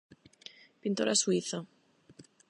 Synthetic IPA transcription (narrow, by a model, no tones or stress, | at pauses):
pint̪oɾʔa̰suiθa